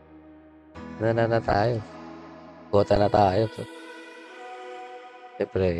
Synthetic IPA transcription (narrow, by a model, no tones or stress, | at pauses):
nananat̪a̰j | kot̪anat̪aːjot̪ | epɾe